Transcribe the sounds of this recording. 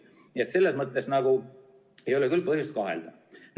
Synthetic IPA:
et̪se̞lːe̞smɤt̪ːˑle̞snɑɡ̥u | e̞jo̞lekylːpɤhjust̪̚kɑɦḛld̪̥ɑ | n

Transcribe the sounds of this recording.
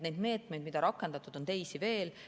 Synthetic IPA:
ne̞jd̪me̞ːt̪ˑme̞jd̪mid̪ɑɾɑkˑːe̞nd̪̥ɑt̪ːˑud̪̥o̞nt̪e̞jsive̞ːl

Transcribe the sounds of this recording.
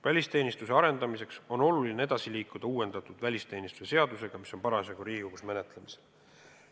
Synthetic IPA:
vælʲist̪e̞ːnist̪use̞ɑɾe̞nd̪̥ɑmise̞kso̞no̞lulinee̞d̪̥ɑsiliːkˑud̪̥ɑuːe̞nd̪̥ɑt̪ːˑud̪̥vælʲist̪e̞ːnist̪u̥sese̞ɑd̪use̞ɡ̥ɑmiso̞npɑɾɑseɡ̥uɾiːuɡusme̞ne̞t̪ˑlemise̥

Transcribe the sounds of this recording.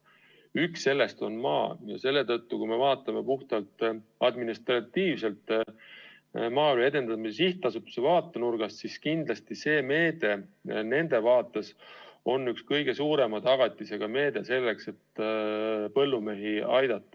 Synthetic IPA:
yksːe̞lːe̞st̪o̞nmɑ̰ːjɑ̰se̞lːe̞t̪ɤt̪ːukujme̞vɑːt̪ːˑɑme̞puht̪ɑlt̪ɑd̪minist̪rɑt̪ːiːvse̞lt̪ | mɑːylue̞d̪e̞nd̪ɑmisiht̪ːˑɑsupsevɑːt̪ːˑenurɡ̥ɑssiskind̪̥lɑst̪ise̞ːme̞ːd̪̥e̞ne̞nd̪̥e̞vɑːt̪ːˑeso̞nːykskɤjɡ̥e̞suːɾe̞mɑt̪ɑɡ̥ɑt̪ʲːˑise̞ɡ̥ɑme̞ːd̪̥e̞se̞lːe̞kse̞t̪ː | pɤ̞lːume̞ɦiɑjd̪̥ɑt̪ˑːɑ̥

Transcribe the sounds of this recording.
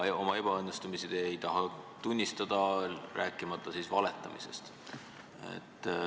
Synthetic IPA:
o̞mɑe̞b̥ɑɤnːest̪umisid̪̥ejt̪ɑɦɑ | t̪unʲːist̪ɑd̪̥ɑræːkːˑimɑt̪ːˑɑsisvɑle̞t̪ːˑɑmise̞̰st̪ | ḛt̪ˑː

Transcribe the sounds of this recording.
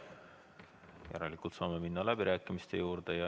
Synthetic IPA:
jæ̰ɾelikult̪sɑːme̞minːɑlæb̥iɾæːkːˑimist̪e̞juːɾd̪̥e̞jɑ

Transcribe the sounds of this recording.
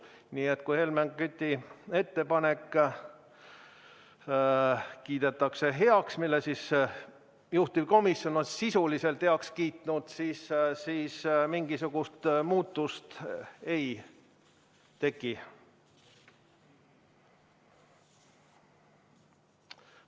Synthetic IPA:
niːe̞t̪ːˑkujhe̞lmeŋɡkyt̪ʲːie̞t̪ːe̞pɑne̞kː | kiːd̪̥e̞t̪ːˑɑkse̞ɦeɑksmilːesis | juht̪ipko̞misjo̞nonsisulise̞lt̪heɑkskiːt̪ˑnud̪̥siːssiːsmiŋɡ̥isuɡ̥ust̪muːt̪ːˑust̪e̞j | t̪e̞kːˑi

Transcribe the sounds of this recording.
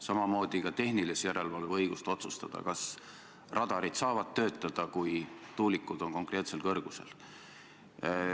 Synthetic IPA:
sɑmɑmo̞ːd̪ikɑt̪e̞hnilisjæɾe̞lvɑlveɤ̞jɡ̥ust̪o̞t̪sust̪ɑd̪̥ɑ̰kɑs | rʔɑd̪̥ɑɾid̪̥sɑːvɑd̪̥̚t̪ø̞ːt̪ˑːɑd̪̥ɑkujt̪uːlikˑːud̪̥o̞nko̞ŋkˑre̞ːt̪se̞lkɤrɡ̥use̞̰l

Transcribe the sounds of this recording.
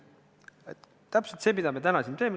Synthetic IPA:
et̪ː | æpselt̪seːmid̪ɑme̞t̪ænɑsʲint̪em

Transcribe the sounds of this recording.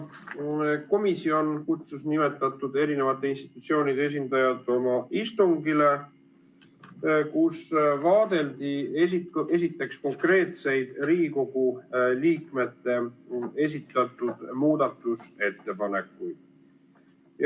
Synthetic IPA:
ko̞misio̞nkut̪susnime̞t̪ːˑɑt̪ːˑud̪e̞ɾine̞vɑt̪ːˑeinst̪i̥t̪ːˑut̪sio̞ːnid̪ees̬ind̪̥ɑjɑt̪ːˑo̞mɑist̪uŋɡile̞ | kusvɑːd̪̥e̞ld̪iesie̞sit̪ːˑe̞ksko̞ŋkre̞ːt̪se̞jd̪̥ɾiːɡiko̞ɡ̥uliːkme̞t̪ːe̞e̞s̬it̪ːˑɑt̪ːˑud̪̥muːd̪̥ɑt̪ːˑuse̞t̪ːe̞pɑne̞kːˑujd̪̥ | j

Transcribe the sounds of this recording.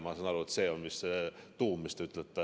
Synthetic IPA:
mɑːsɑnɑɾuet̪seːonmisːet̪uːmːist̪ɑyt̪ːˑelt̪ːæ

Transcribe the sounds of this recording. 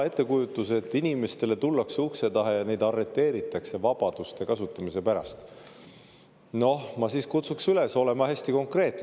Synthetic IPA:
e̞t̪ˑːe̞kujut̪ːˑuse̞t̪ːˑinime̞st̪e̞le̞t̪ulːɑksukse̞d̪ɑɦejɑne̞jd̪ɑrːe̞t̪ːˑe̞ːɾit̪ːˑɑkse̞vɑb̥ɑd̪̥ust̪e̞kɑsut̪ːˑɑmisepæɾɑ̰st̪ | no̞hmɑsiːskut̪suksyle̞so̞le̞mɑhesʲt̪iko̞ŋkre̞ːt̪n

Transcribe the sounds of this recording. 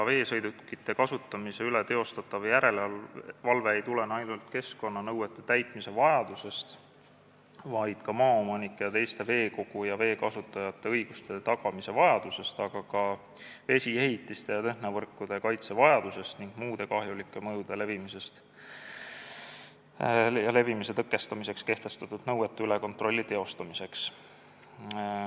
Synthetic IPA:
kɑve̞ːsɤjd̪ut̪kit̪ːˑe̞kɑsut̪ːˑɑmise̞ylet̪e̞o̞st̪ɑt̪ˑːɑvjæɾe̞llvɑlveːjt̪ule̞nɑjnult̪ke̞sko̞nːɑnɤwe̞t̪ːˑe̞̥t̪æjt̪ˑmise̞vɑjɑd̪̥use̞st̪ | vɑjd̪̥kɑmɑːomɑnikːˑejɑt̪e̞jst̪e̞ve̞ːko̞ɡ̥ujɑve̞ːkɑsut̪ːˑɑjɑt̪ˑːe̞ɤjɡ̥ust̪e̞t̪ɑɡ̥ɑmise̞vɑjɑd̪̥use̞st̪ɑɡ̥ɑkɑ | ve̞sʲie̞ɦit̪ːˑist̪e̞jɑt̪ehnevɤrkːˑud̪̥ekɑjt̪se̞vɑjɑd̪̥use̞st̪niŋɡ̥muːd̪̥e̞kɑɦjulikˑːe̞mɤjud̪̥e̞le̞vimise̞st̪ | jɑle̞vimise̞t̪ɤkːˑe̞st̪ɑmise̞kske̞ht̪e̞st̪ɑt̪ːˑud̪̥nɤwet̪ːeyle̞ko̞nt̪ro̞lʲːit̪e̞o̞st̪ɑmise̞ks

